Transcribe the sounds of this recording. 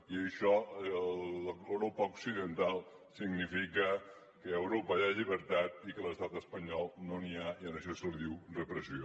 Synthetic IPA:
iəʃɔ | əwɾopəuksiðənt̪alˠ | siɡnifikə | kəəwɾopəaʎiβəɾt̪at̪̚ikələst̪at̪əspəɲɔlˠnoniaiənəʃɔsuɾðiwrəpɾəsio

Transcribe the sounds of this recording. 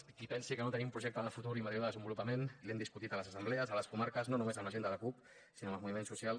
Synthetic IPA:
kipɛnsikənot̪ənimpɾuʒɛk̚t̪əðəfut̪uɾiməðjoðəðəzəmbulupəmenilɛmd̪iskut̪it̪ələzəsəmblɛəzələskumaɾkəznonumezəmləʒend̪ələkup̚ | sinoməlmuβimensusjalˠ

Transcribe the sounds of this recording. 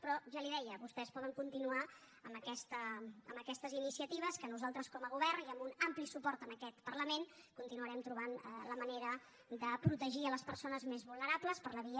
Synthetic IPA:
pɾɔʒaliðɛjəβust̪ɛspɔðəŋkunt̪inua | əmbəkɛst̪əə̰mbəkɛst̪əzinisiət̪iβ̞əskənuzalˠt̪ɾəskɔməɣuβɛrniəmbunamplisupɔɾt̪ənəkɛt̪pərləmenkunt̪inuəɾɛmt̪ɾuβanələməneɾə | d̪əpɾut̪əʒiələspəɾsonəzmezβulˠnəɾapləspərləβ̞iə

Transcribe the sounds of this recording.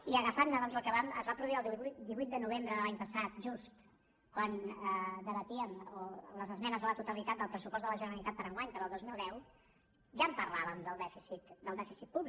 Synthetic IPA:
iəɣəfanːəðɔnzəlˠkəβaməzβapɾuðuiəlˠd̪iβuit̪̚d̪ənuβ̞embɾəðəlaɲpəsat̪̚ʒust̪ | kwanəd̪əβət̪iəmoləzəzmɛnəzələt̪ut̪əlit̪at̪̚d̪əlˠpɾəsupɔzðələʒənəɾəlit̪at̪pəɾəŋɡwaɲpəɾɔːlˠd̪ozmilˠd̪ɛw | ʒampərlaβəmd̪əlˠd̪ɛfisit̪d̪əlˠd̪ɛfisit̪̚puβli

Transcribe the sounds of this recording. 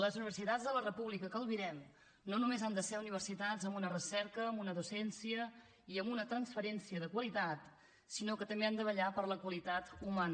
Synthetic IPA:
ləzuniβərsit̪ad͡zzðələrəpuβlikəkəlˠβiɾɛm | nonumezand̪əsɛɾuniβ̞ərsit̪ad͡zəmunərəsɛɾkəːmbunəðusɛnsiə | iəmbunət̪ɾənsfəɾɛnsiəðəkwəlit̪at̪ | sinokət̪əmbeand̪əβəʎapəɾləkwəlit̪at̪umanə

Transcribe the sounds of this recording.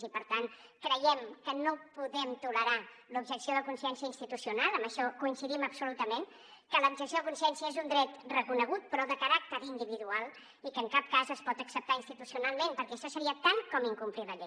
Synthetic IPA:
zipəɾt̪ankɾəjɛmkənopuðɛmt̪uləɾalubʒəksioðəkunsiɛnsiəinst̪it̪usiunalˠəmbəʃɔkuinsiðiməbsulut̪əmen | kələubʒəksjoðəkunsiɛnsiəezund̪ɾɛt̪rəkunəɣ̞ut̪̚pɾɔðəkəɾak̚t̪əɾind̪iβiðualˠ | ikəːŋkap̚kazəspɔt̪əksəp̚t̪ainst̪it̪usiunalˠmenpəɾkɛʃɔsəɾiət̪aŋkɔmiŋkumpliləʎɛ

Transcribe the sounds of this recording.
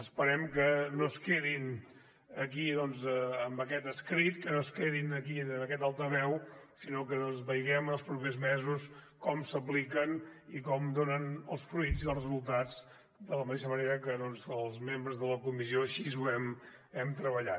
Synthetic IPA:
əspəɾɛmkənoskeðin | ək̬iðɔnzəəmbəkɛt̪əskɾit̪kənoskeðinəkiəməkɛt̪alˠt̪ɾəβɛwsinokəðɔnzβəjɣɛmənəlˠspɾupezmɛzus | kɔmsəp̬likənikɔmd̪onənəlˠsfɾujd͡ziəlˠrəzulˠt̪ad͡z | d̪ələmət̪eʃəməneɾəkəðɔnzəlˠzmembɾəzðələkumis̬ioəʃizuɛm | ɛmt̪ɾəβəʎa

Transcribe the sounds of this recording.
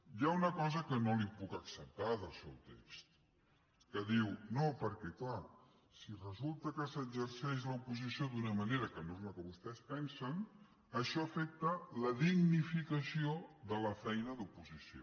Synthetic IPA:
jaunəkɔzəkənolipukəksəp̚t̪aðəlˠsɛwt̪ḛkst̪ | kəðiwnopəɾkɛkla | sirəzulˠt̪əkəsəɡd͡ʒəɾsɛʃləupuzisiod̪unəməneɾəkənorməkəβust̪ɛspɛnsən | əʃɔəfɛk̚t̪ələðiɡnifikəsioðələfɛjnəðupuzisio̰

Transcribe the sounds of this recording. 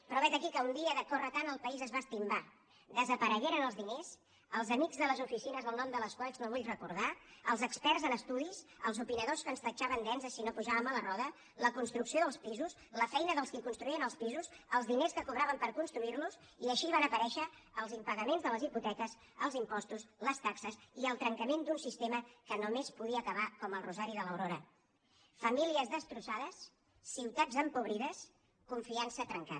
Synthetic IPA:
pɾɔβɛt̪əkikəund̪iəðəkɔrət̪anəlˠpəizəzβast̪imba | d̪əzəpəɾəɣɛɾənəlˠzðines | əlˠzəmiɡzðələzufisinəzðəlˠnɔmd̪ələskwalznoβuʎrəkuɾðaəlˠzəkspɛrzənəst̪uðizəlˠzupinəðoskənst̪ət͡ʃaβənd̪ɛnzəsinopuʒaβəmələrɔðə | ləkunst̪ɾuksioðəlˠspizuz | ləfɛjnəðəlˠskikunst̪ɾuiənəlˠspizuzəlˠzðineskəkuβɾaβəmpəɾkunst̪ɾuiɾluz | iəʃiβanəpəɾɛʃəːlˠzimpəɣəmenzðələziput̪ɛkəs | əlˠzimpɔst̪usləst̪aksəsiəlˠt̪ɾəŋkəmend̪unsist̪eməkənomespuðiəːkəβ̞akɔməlˠruzaɾiðələwɾoɾə | fəmiliəzðəst̪ɾusaðəsː | iwt̪ad͡zəmpuβɾiðəs | kuɱfiansət̪ɾəŋka

